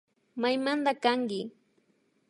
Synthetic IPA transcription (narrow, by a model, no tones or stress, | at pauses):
majmand̪akaŋɡɪ